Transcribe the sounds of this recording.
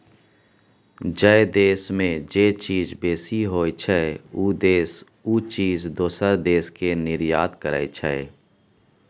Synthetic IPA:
d͡ʒəed̪eːsmẽd͡ʒeːt͡ʃiːzbeːsiɦoːt͡ʃʰɛuːd̪eːs | uːt͡ʃiːzd̪oːsəɾd̪eːskenɪɾjaːd̪kəɾə̰jt͡ʃʰɛ̰

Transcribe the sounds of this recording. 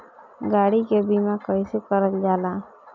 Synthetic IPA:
ɡaːɽikebimakəjsekəɾət̪d͡ʒaːla

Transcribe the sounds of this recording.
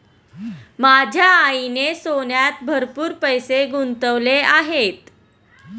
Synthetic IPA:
mad͡ʑʱjaːinesonjat̪̚bʱəɾpuːɾpəjseɡunt̪əʋleaɦet̪

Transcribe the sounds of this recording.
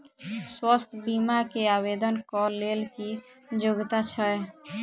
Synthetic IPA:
swəst̪ʰbimakeabed̪ənkɔlelki | d͡ʒoɡt̪at͡ʃʰəe

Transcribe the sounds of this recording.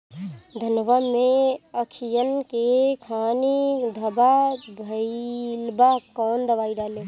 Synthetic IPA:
d̪ʱənʋameəkʰijənkekʰaːnid̪ʱəbabʱəlbakɔːnd̪əʋaːid̪aːle

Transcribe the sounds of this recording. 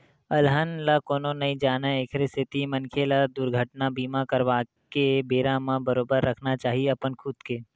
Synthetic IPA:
əlɦənlakoːnonɐĩd͡ʒaːnaeːkʰɾest̪ʰɪt̪imənkʰelad̪ʊɾɡʱəʈnabiːmakəɾʋaːkebeːɾãmãbəɾoːbəɾːəkʰnat͡ʃaːɦieɐpənkʰʊd̪keː

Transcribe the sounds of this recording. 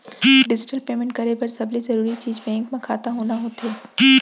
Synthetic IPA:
ɖɪd͡ʒɪʈəlpeːmɪ̃ɳʈ̚kɐɾebɐɾsɐblizɐɾuːɾit͡ʃiːd͡ʒbɛ̃ːŋkmẽkʰa̰ːt̪aɦoːnaɦoːt̪eː

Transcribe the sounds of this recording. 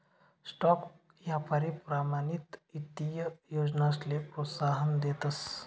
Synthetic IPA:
sʈɔk | jjapaɾipɾamanit̪it̪ːijəjod͡ʒnaslepɾot̪saɦənd̪eːt̪əs

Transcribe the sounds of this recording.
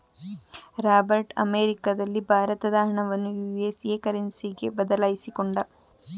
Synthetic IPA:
ɾaːbɐɾʈɐ̰meːɾikad̪ɐlːibʱaːɾɐt̪ɐd̪aːɾɐɳɐʋɐnːujuːesekɐɾenisiɡebɐd̪ɐlaːjisikoɳɖɐ

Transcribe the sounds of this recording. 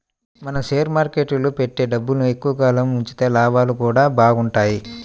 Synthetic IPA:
mɐnɐseːɾmaːɾkeʈulupeʈːe̞ːɖɐbːulnue̞kːuʋɐkaːlɐmuɲt͡ʃi̥t̪eːlaːbaːlukuːɽaːbaːɡuɳʈaːji

